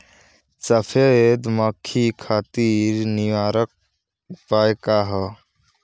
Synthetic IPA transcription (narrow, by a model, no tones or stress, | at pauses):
səpʰed̪məkʰːikʰaːt̪iːɾniʋaːɾək̚ | paːekaɦə